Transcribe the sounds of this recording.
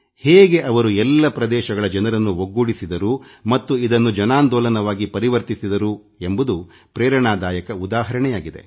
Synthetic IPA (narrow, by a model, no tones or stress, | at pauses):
heːɡe̞ʔɐʋɐɾuɛlːɐpɾɐd̪ɛːʃɐɡɐɭɐd͡ʒɐnɐɾɐnːuʋoɡːuɽisid̪ɐɾumɐt̪ːuid̪ɐnːud͡ʒɐnaːnd̪ɔːlɐnɐʋaːɡipɐɾiʋɐɾt̪isid̪ɐɾu | embud̪u | pɾɛːɾɐɳaːd̪aːjɐkɐud̪aːɦɐɾɐɳɛjaːɡid̪e̞̰